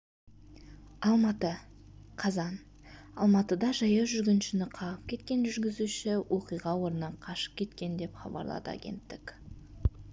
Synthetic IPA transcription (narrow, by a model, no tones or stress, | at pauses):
ɑlˠmɑt̪ə | qʰɑzɑn | ɑlˠmɑt̪əd̪ɑʒɑjɑʒʏɾɡʲɪnʃɪnɪqʰɑʁəp̚kʲʰe̞t̪̚kʲe̞nʒʏɾɡʲɪzuʃɪwʔoqijʁɑwo̞ɾənɑqʰɑʃə̥p̚kʲʰe̞t̪kʲe̞nd̪e̞pχɑ̰bɑ̰ɾlˠɑ̰d̪ə̰a̰ɡʲe̞̰nt̪ːɪkʲ